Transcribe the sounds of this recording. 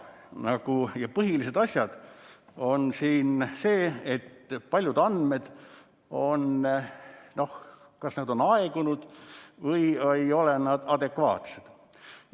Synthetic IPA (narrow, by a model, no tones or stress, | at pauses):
nɑɡ̥ujɑpɤɦilise̞d̪ɑsʲjɑd̪̥o̞nsiːnse̞ːet̪ːpɑlʲjud̪ɑnd̥̪me̞d̪̥ | o̞n | no̞h | kɑsnɑd̪o̞nɑeɡ̥unud̪̥vɤjejo̞lenɑd̪̥ɑd̪e̞kvɑːt̪sed̪̥